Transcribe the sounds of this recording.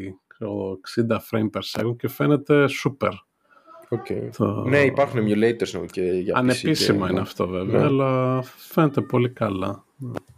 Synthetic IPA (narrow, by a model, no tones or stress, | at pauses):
oeksind̪ɐfɾejmpeɾse̞̰ɣuɲce̞fe̞ne̞t̪e̞supe̞̰ɾ | ocet̪ʰo̰neipɐɾxunemjulejt̪eɾsno̰ceʝɐɐnepisimɐineɐft̪o̞ve̞veɐːlɐfe̞net̪e̞po̞likɐlɐ | nḛ